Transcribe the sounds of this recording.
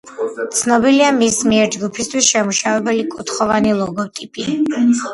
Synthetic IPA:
t̪sʰnɔbiliamismiɛɾd͡ʒɡupʰist̪ʰwisʃɛmuʃavɛbɛlikʼut̪ʰχɔvanilˠɔɡɔt̪ʼipʼi

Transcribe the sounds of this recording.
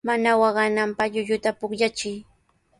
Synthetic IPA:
manawɑɢɑnampɑʎʊʎʊt̪apʊkʎat͡ʃɪj

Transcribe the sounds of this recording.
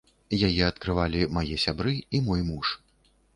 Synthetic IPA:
jajɛɐt̪kɾɨvalʲimajɛsʲabɾɨimɔjmuʂ

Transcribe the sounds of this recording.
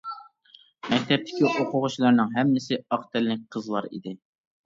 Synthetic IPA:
mɛk̚ʲt̪ʰɛp̚t̪ʰɪ̥kʲiʔoqʰʊʁʊt͡ʃilˠɑɾnɨŋɦɛmːɪsɪɑqt̪ɛlːɪk̚ʲqʰəzlˠɑɾḭd̪ɪ

